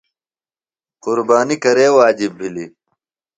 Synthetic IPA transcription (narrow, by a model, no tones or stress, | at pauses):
qʊɾbaːnikɐɾeːwaːd͡ʑibːili